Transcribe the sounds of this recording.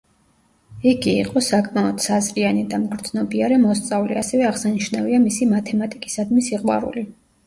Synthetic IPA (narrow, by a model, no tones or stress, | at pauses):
iɡḭːqʼɔsakʼmaɔd̪̥sazʼɾianid̪amɡɾd̪znɔbiaɾɛmɔst̪sʼavliasɛvɛaʁsaniʃnaviamisimat̪ʰɛmat̪ʼikʼi̥sad̪misiqʼwa̰ɾṵli